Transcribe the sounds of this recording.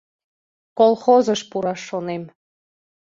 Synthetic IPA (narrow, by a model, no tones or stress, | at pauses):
kolˠxozəʃpuɾɑʃːonem